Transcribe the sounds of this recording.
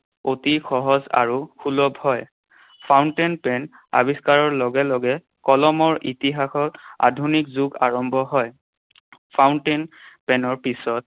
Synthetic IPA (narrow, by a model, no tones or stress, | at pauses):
otixɔɦɔza̰ɹukʰulɔbhɔj | pʰawntenpɛn | a̰biskaɹɔɹlɔɡɛlɔɡɛ | kɔlɔmɔɹʔitiɦaxɔta̰dʱunikzuɡaɹɔmbʱɔɦɔj | pʰawntenpɛnɔɹpisɔt̚